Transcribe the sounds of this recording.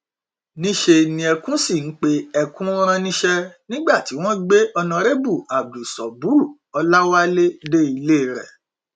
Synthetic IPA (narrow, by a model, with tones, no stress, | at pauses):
nĩ˦ʃe˧nĩ˧ɛ˧kũ˦si˦˨n̩˨˦k͡pe˦ɛ˧kũ˦ɾ̃ã˧nĩ˦ʃɛ˧nĩ˦ɡ͡ba˦˨ti˨˦w̃ɔ̃˦ɡ͡be˦ɔ˧nã˧ɾe˦bu˦˨a˨bdu˨sɔ˨bu˦˨ | ɔ˧la˦wa˦le˦de˦i˧le˦˨ɾɛ̰˦˨